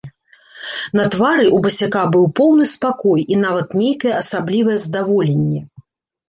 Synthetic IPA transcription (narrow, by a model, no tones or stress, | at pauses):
nɐt̪vaɾɨʔubɐsʲakabɨwpɔwnɨspakɔjin̪avɐt̪nʲejkɐjɛʔɐsablʲivɐjɛzd̪avɔlʲenʲːɛ